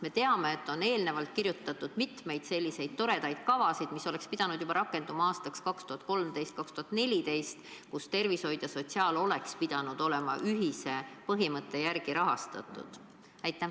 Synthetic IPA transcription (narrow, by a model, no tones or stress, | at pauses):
me̞t̪e̞ɑme̞ːt̪ːˑo̞ne̞ːlne̞vɑlt̪̚kirjut̪ːˑɑt̪ːˑud̪̥mit̪me̞jd̪̥se̞lʲːise̞jd̪̥̚t̪o̞ɾe̞d̪ɑjd̪̥kɑvɑsid̪̥miso̞le̞kspid̪̥ɑnud̪̥jub̥ɑɾɑkːˑe̞nd̪umɑɑːst̪ɑkskɑkst̪uhɑt̪̚ko̞lmd̪e̞jst̪kɑkst̪uɦɑt̪ne̞lʲit̪e̞jst̪kust̪e̞rvisho̞jd̪̥jɑso̞t̪ʲsiɑːlo̞le̞kspid̪̥ɑnud̪̥o̞le̞mɑ̰ʔyɦise̞pɤɦimɤt̪ːˑe̞jærɡ̥iɾɑɦɑst̪ɑ̰t̪ːˑṵd̪̥ | æjt̪ːˑæm